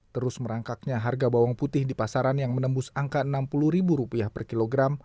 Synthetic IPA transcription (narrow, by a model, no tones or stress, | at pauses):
t̪əɾʊsməɾaŋkak̚ɲaɦarɡabawaŋput̪ɪhdipasaɾanjaŋmənəmbʊsaŋkanampuluhɾibuɾupiahpərkiloɡɾam